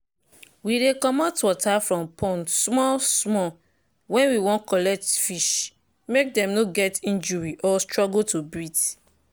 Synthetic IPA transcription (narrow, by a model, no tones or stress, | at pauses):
widekɔmɔtwɔtʰafɹɔ̃mpʰɔ̃ntsmɔlsmɔ | wɛ̃nwiwɔ̃nkɔlɛk̚tfiʃ | mek̚dɛ̃mnoɡɛtĩnd͡ʒuɹiʔɔstɹɔɡutobit